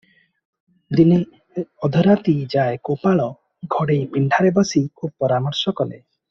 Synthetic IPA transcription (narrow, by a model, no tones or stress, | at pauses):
d̪ini | ɔd̪ʱɔɾat̪id͡ʒaekopaɭɔ | ɡʱɔɽejpiɳɖʱaɾebɔsikʰup̚pːɔɾamɔɾsɔkɔlḛ